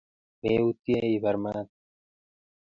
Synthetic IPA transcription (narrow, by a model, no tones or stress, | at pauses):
meːut̪jeibɐɾmaːt̪̚